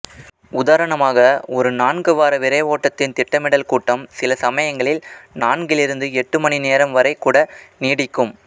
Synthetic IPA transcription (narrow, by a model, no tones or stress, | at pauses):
ʊðaːɾɐɳɐmaːɣɐɔɾɯnaːnɡɯʋaːɾɐʋɪɾɐɪʋoːʈːɐt̪ːɪnt̪ɪʈːɐmɪɽɐlkuːʈːɐmsɪlɐsɐmɐjɐŋɡɐɭɪlnaːnɡɪlɪɾɯnd̪ɯɛʈːɯmɐɳineːɾɐmʋɐɾɐɪkːuːɽɐniːɽɪkːɯm